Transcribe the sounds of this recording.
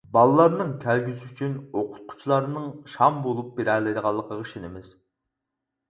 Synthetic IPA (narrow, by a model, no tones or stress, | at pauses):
bɑlˠɨlˠɑɾnɨŋkʲʰælɡʲysiyt͡ʃʰynoqʰʊ̥t̪̚qʰʊ̥t͡ʃʰlˠɑɾnɨŋʃɑmbolˠup̚beɾɛlˠɨjd̪əʁɑlˠːəqʰəʁəʃinɪmɪz̥